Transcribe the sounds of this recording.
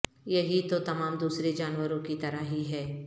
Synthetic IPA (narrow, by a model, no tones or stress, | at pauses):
jɐɦit̪ot̪ɐmaːmd̪uːsɾed͡ʒaːnwəɾõkit̪ɐɾaɦiɦɛː